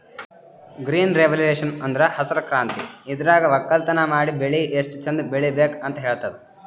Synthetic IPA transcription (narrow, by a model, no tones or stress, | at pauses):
ɡɾiːnɾeʋɐleːʂɐnɐnd̪ɐɾɐhɐsɐɾɐkɾaːnt̪iid̪ɐɾaːɡɐʋɐkːɐlt̪ɐnɐmaːɽibeɭieʂʈt͡ʃɐnd̪beɭibeːkɐnt̪ɐɦeːɭt̪ɐd̪e